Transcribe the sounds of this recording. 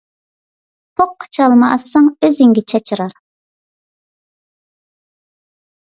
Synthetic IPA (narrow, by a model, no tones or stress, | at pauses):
pʰoqʰːɑ̥t͡ʃʰɑlˠmɑʔsːɑŋøziŋɡʲɛt͡ʃʰɑt͡ʃʰɨɾɑɾ